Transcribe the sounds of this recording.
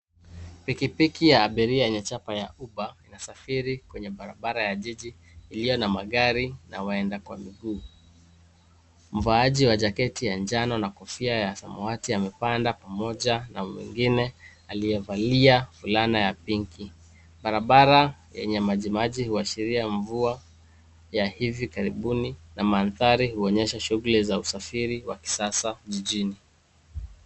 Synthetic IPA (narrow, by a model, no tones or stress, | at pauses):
pikipikijaːɓiɾiajɛɲat͡ʃapajauɓainasafiɾikwɛɲɛɓaɾa̰ɓaɾajaʄiʄiː | lijɔnamaɠaɾina̰waɛndakwamiɡuː | m̩vaaʄiwaʄakɛtijand͡ʒanɔnakɔfiajasa̰mɔatiamɛpandapamɔʄanamwḭŋɡinɛ | alijɛvaliafulanajapiŋki | ɓaɾaɓaɾajɛ̰ɲɛmaʄimaʄihuaʃiɾiaɱvua | jahivikaɾiɓuninamanθaɾihuɔɲɛʃaʃuɣulizausafiɾiwaki̥sasaʄiʄini